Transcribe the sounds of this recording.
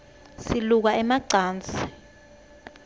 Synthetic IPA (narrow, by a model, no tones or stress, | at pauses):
siluk̬aɛmaǀaːnt͡sʰʼi̥